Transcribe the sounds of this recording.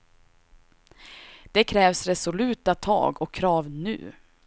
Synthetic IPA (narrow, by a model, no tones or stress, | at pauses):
d̪̥ɛkʰɾɛːvsɾɛsʊlʉ̟ːt̪at̪ʰɑ̰ːɡɔkʰːɾɑːvnʉ̟̰ː